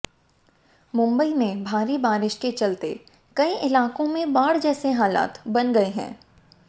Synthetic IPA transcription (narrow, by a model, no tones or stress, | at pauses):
mʊ̃mbəimẽbʱaːɾibaːɾɪʃket͡ʃɐlt̪e | kɐiʔɪlaːkõmẽbaːɽd͡ʒɛːseɦaːla̰ːt̪bɐnɡɐeɦɛ̰̃ː